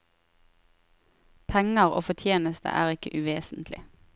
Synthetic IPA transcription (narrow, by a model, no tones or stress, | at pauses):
pʰɛŋəʁo̰ːfɔt̪ʰjeːnəst̪ʰə̰ʔæːʁɪkəʔʉʋeːsnt̪ʰlɪ̰